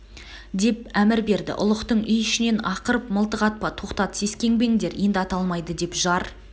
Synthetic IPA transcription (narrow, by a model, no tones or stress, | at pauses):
d̪e̞p̚æmɪɾbe̞ɾd̪ɪ̰ʔʊ̰lˠəqt̪əɴʏjʏʃɪne̞nɑqəɾəpməlˠt̪əʁɑt̪̚pɑt̪ʰo̞qt̪ɑt̪ə̥se̞skʲe̞ŋbe̞ŋd̪e̞ɾje̞nd̪ɪɑt̪ɑlˠmɑjd̪əd̪e̞pʒɑɾ